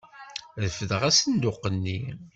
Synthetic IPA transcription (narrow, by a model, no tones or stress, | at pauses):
ðəfəðəʁæsənd̪ʊqːənːi